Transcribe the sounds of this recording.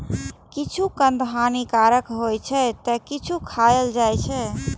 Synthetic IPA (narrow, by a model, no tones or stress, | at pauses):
kit͡ʃʰukənd̪ɦanikaɾəkɦojt͡ʃʰɛt̪əkit͡ʃʰukʰajəld͡ʒajt͡ʃʰɛ